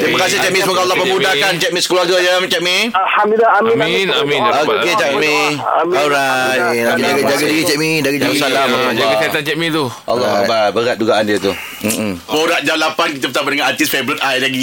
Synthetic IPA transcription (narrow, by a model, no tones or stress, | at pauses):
t̪ɾimakas̬ɪht͡ʃɛʔ̚misəmuɡaalːɔhpəbudahkant͡ʃɛʔ̚mĩsə̥kəluaɾɡajəmt͡ʃɛʔ̚mi | hamiaamĩminamĩoket͡ʃɛmiamaɾajaaɡd͡ʒaɡaiɡit͡ʃɛʔ̚midaɡid͡ʒasalamalaɡakaat̪ant͡ʃɛʔ̚mĩt̪uʔɔ̰lːɔababəɾat̪̚d͡ʒuɡaʔandiət̪u | poɾat̪̚d͡ʒanlapank̬it̪̬əbətsabadəŋãnat̪isfebɾit̪̚ajlaɡi